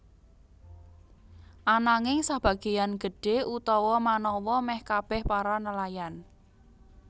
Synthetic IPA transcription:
ʔanaŋɪŋsab̥ä̤ɡ̥e̤janɡ̥ə̤ɖ̥e̤ʔut̪ɔwɔmanɔwɔmɛhkab̥ɛhpaɾanəlajan

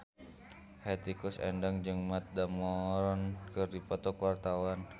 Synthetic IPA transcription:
hɛt̪ikusɛ̰ndaŋd͡ʒɨŋmat̪̚damɔɾɔnkɨrdipɔt̪ɔkwart̪awan

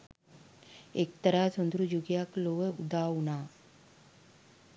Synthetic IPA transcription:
ek̚t̪əɾasənd̪ɾud͡ʑuɡjakloʋəud̪awna

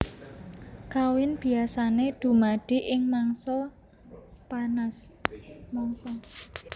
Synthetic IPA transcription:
kawɪnb̥i̤asaned̪̥ṳmaɖ̪̥i̤ʔɪŋmaŋsɔ | panas | mɔŋsɔ

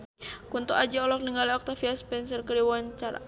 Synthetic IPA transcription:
kunt̪uʔad͡ʒaɔlɔkniŋɡaliɔk̚t̪afiaspɛnsərkəɾiwant͡ʃaɾa̰

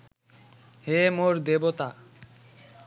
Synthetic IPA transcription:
hemoɾd̪ebot̪a

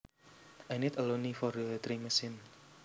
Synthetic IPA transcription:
ʔanit̪əlonifɔrət̪ɾiməsɪn

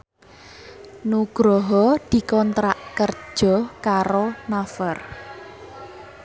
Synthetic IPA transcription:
nuɡ̥ɾɔɦɔd̪̥i̤kɔnt̪ɾaʔkər̥ʒ̥ɔ̤kaɾonafər

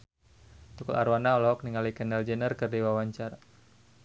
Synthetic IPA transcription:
t̪ukɔla̰ɾwanaɔlɔɦɔk̚niŋalikənald͡ʒɛnərkɨrdiwawaɲt͡ʃara

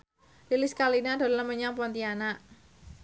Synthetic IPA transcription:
lilɪskalinad̪̥o̤ləməɲaŋpɔnt̪ianaʔ

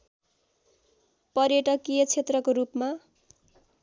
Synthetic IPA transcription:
pʌrjʌʈʌkijʌt͡sʰet̪rʌkoɾupma

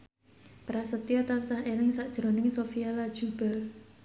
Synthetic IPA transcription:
pɾasət̪iat̪ant͡ʃahelɪŋsaʔd̥ʒ̥ɾo̤nɪŋsofialad̥ʒ̥ṳb̥al̚

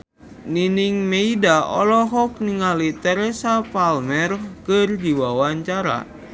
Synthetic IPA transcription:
niniŋmeidaɔ̰lɔɦɔk̚niŋalit̪ɛɾɛsapalmɛrkɨrd͡ʒiwawaɲt͡ʃaɾa̰

